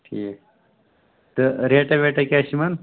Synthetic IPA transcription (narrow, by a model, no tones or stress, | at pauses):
ʈʰiːk | t̪əɾeːʈɐʋeːʈɐkaɕimɐn